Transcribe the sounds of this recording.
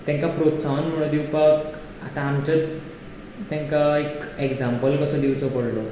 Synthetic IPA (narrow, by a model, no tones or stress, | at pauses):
t̪ãŋkapɾot̪t͡saʋnm̤əɽ̃od̪iwpak | at̪ãːmt͡ɕətː | ãŋkaekeɡd͡zãmpəlkəsɔd̪iwt͡sɔpəɽlo